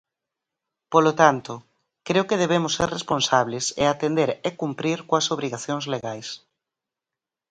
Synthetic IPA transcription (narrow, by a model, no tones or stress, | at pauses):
polot̪ant̪ʊ | kɾeokeðeβ̞emʊsːeɾresponsaβlɪsḛat̪end̪eɾekumpɾiɾkoasoβ̞ɾiɣaθjoŋzleɣajs